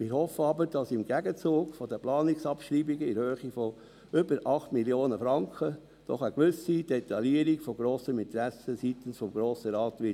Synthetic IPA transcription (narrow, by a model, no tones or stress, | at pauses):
mɪːɾhɔfəɑbəɾd̥ɑsɪmɡ̥æɡət͡suːɡ̥fɔd̪əplɑːniksɑpʃɾiːbiɡəɪɾhøːχifɔ | ʏbəɾʔɑχt̪miljoːnəfɾɑŋkχə | d̥ɔ̰χəkʋʏsid̥ɛt̪ːɑliəɾikfɔɡɾoːsəmɪnt̪ɾæsəsit̪ən̩sfɔmɡɾoːsəɾɑːt̪ʋɪ